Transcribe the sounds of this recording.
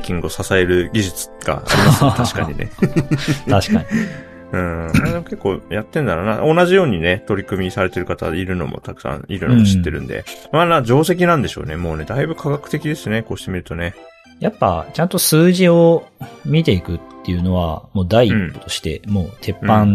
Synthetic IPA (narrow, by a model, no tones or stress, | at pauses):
kʲĩŋɡɯ̟osasae̞ɾɯ̟ɡʲiʑɨt͡sɨ̥ɡ̥a̰a̰ɾʲimasɨ̥t̪aɕi̥kaɲ̟ine̞̰ | aɕi̥kaɲi | ɯ̟̃ɾd̪emoke̞kːo̞ːjat̪ːẽ̞nd̪aɾona̰onaʑijo̞ːɲ̟ine̞t̪o̞ɾʲikɯ̟mʲisaɾe̞t̪e̞ɾɯ̟kat̪a̰iɾɯ̟no̞̰mo̞̰t̪akɯ̟̥sã̰iɾɯ̟nõmɕit̪ːe̞ɾɯ̟̰̃nd̪ḛmanad͡ʑo̞ːs̬e̞k̬ʲinãnd̪e̞ɕo̞̰ːne̞mo̞ːne̞d̪aibɯ̟kʰaɡakɯ̟̥t̪e̞kʲid̪e̞sɨoneko̞ːɕi̥t̪e̞mʲiɾɯ̟t̪o̞ne̞ | japːa̰t͡ɕãnt̪o̞sɨːʑio̞mʲit̪̬e̞ikɯ̟t̪ːe̞jɯ̟no̞βamo̞ːd̪aiipːo̥t̪oɕi̥t̪e̞̰mo̞ːt̪ʰe̞pːãn